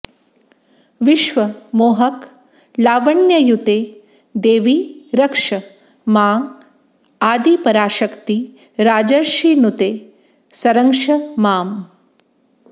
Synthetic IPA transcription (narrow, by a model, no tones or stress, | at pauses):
ʋiʃʋɐmoːɦɐk | laːʋɐɳjɐjut̪eː | d̪eːʋiɾɐkʂɐ | maːŋ | aːd̪ipɐɾaːʃɐkt̪i | ɾaːd͡ʒɐɾʃiːnut̪eː | sɐɾɐŋʃɐmaːm